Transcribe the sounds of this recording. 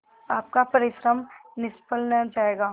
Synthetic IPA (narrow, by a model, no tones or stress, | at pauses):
aːp̚kapɐɾɪʃɾəmnɪspəlnɐd͡ʒaːeːɡaː